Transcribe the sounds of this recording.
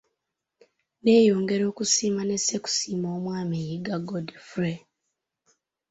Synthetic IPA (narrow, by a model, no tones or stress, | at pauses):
ne̞ːjo̞ːŋɡe̞ɾo̞ːkusiːmane̞seku̥siːmoːmwaːmejiɡaɡodfuɾe